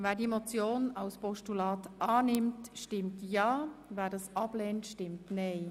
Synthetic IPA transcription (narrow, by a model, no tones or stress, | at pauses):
vɛːdimot͡sjoːnaʊspɔʃtulɑːtʔɑːnɪmtʃtɪmtjɑːvɛːdɑsɑblɛːntʃtɪmtneɪ